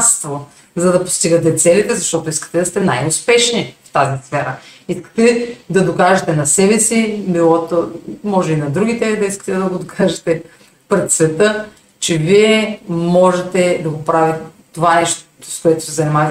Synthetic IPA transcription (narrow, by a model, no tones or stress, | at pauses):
st̪vo | zɐd̪ɐpo̥st̪iɡət̪ɛt̪sɛlit̪ɛzɐʃt̪ɔt̪ʊiskə̥t̪ɛd̪ɐst̪ɛnajʊspɛʃnift̪azisfɛɾəiskə̥t̪ɛd̪ɐd̪okaʒɛt̪ɛnɐsɛbɛsibilˠɔt̪omɔʒɛinɐd̪ɾuɡʲit̪ɛd̪ɐiskə̥t̪ɛd̪ɐɡod̪okʰaʒɛt̪ɛ | pɾɛt̪svɛt̪ə | t͡ʃɛviɛmɔʒɛt̪ɛd̪ɐɡopɾavit̪ɛ | t̪ovanɛʃt̪ | skoɛt̪ʊ̥sɛzɐnimat̪